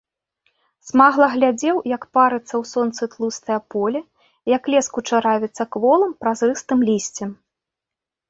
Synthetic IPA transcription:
smaɣlˠɐɣlʲad͡zʲɛwjɐkpaɾɨt̪sːɐwsɔnt̪sɨt̪lˠust̪ɐjɐpɔlʲɛ | jɐklʲɛskut͡ʂaɾavʲɛt̪sːɐkvɔlˠɨmpɾazrɨst̪ɨmlʲisʲt͡sʲɛm

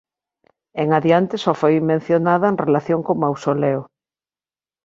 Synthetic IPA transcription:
eŋaðjant̪ɪsɔfojmẽn̟θjonaðaenrelaθjoŋkomawsoleʊ

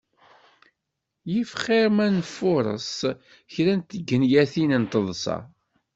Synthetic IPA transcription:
jifχɪɾmænfʊɾˤə̰s | çɾænt̪ːəɡːənjæθinənt̪əðˤsɑ̰

